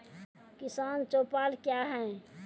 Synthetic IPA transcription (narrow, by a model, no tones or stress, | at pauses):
kɪsaːnt͡ʃoːpaːlkjaɦɛ̃